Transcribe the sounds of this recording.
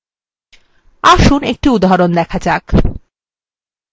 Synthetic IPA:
aʃunek̚ʈiud̪aɦaɾond̪ɛkʰad͡ʑak

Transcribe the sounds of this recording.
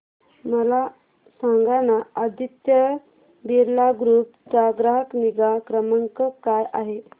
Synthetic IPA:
məla | saŋɡanaad̪it̪jə | biɾlaɡɾupd͡ʑaɡɾaɦəkniɡakɾəməŋkəkajʔaɦe

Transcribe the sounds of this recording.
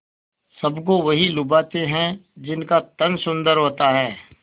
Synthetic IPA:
sɐbk̬oʋɐɦilʊbaːt̪ẽɦɛ̃d͡ʒɪnkat̪ɐnsʊ̃nd̪əɾɦoːt̪aɦɛː

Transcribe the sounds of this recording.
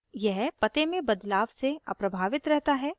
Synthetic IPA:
jɛɦpɐt̪emẽbɐd̪laːʋseɐ̰pɾɐbʱaːʋɪt̪ɾɛɦt̪aɦɛː

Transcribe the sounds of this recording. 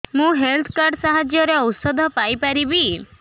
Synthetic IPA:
mũɦelt̪ʰkaɾɖsaɦad͡ʒjɔɾeɔwsɔd̪ʱɔpajpaɾibi

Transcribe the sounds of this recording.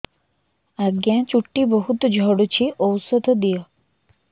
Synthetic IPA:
aɡjãt͡ʃuʈːibɔɦut̪ɔd͡ʒʱɔɽut͡ɕʰiʔɔwsɔd̪ʱɔd̪ijɔ

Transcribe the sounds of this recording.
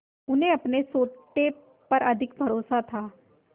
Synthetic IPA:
ʊnẽːəpnesoːʈe | pəɾəd̪ʱɪk̚bʱəɾoːsat̪ʰaː

